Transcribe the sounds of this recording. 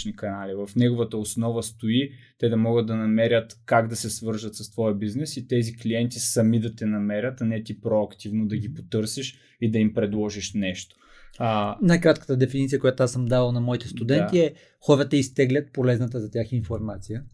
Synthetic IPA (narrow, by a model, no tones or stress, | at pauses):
nikɐnalivɐfnɛɡovət̪əosnɔvəst̪oit̪ɛd̪ɐmɔɡəd̪̚d̪ɐnɐmɛɾʲət̪kaɡd̪ɐsɛsvɤɾʒɐt̪sɐst̪vɔjəbiznɛsit̪ɛzikliɛnt̪isɐmid̪ɐt̪ɛnɐmɛɾʲət̪ɐnɛt̪ipɾoɐkt̪ivnod̪ɐɡʲipot̪ɤɾsiʃ | id̪ɐimpɾɛd̪lˠɔʒiʃnɛʃt̪o̥ | najkɾat̪kə̥t̪əd̪ɛfinit̪siəkojat̪oasəmd̪avlˠnɐmɔit̪ɛst̪ud̪ɛnt̪iɛ | xɔɾət̪əist̪ɛɡlʲət̪̚polɛznət̪əzɐt̪ʲaxinfoɾmat̪sijə